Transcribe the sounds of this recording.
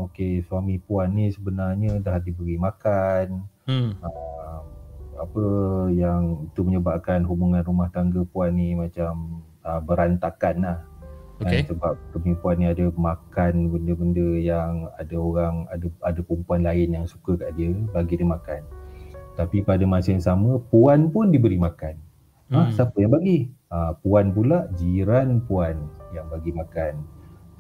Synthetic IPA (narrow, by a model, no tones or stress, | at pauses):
okeswamĩpuanːisəbənarɲədaɦadibəɡimakan | əmapəjaŋit̪uməɲəbaʔkanɦubuŋanrumaht̪aŋɡəpuanːimat͡ʃam | əbəɾant̪akanlah | kasəbap̚kəmipuanːiadəmakanbəndəbəndəjaŋa̰daoɾaŋa̰dəadapumpuanlaɪnjaŋsu̥kəkaʔdiəbaɡidimakant̪apipadamãsəjaŋsamə̃puanpʊndibəɾimakan | asapəjaŋbaɡiəpuanpulaʔd͡ʒiɾanpuanjaŋbaɡimakan